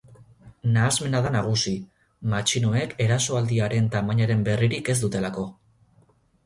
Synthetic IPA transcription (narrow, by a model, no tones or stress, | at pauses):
naːzme̞naðanaɣ̞usi | mat͡ʃinoe̞ke̞ɾaso̞ald̪iaɾe̞nt̪amaɲaɾe̞mbe̞riɾike̞zd̪ut̪e̞lako̞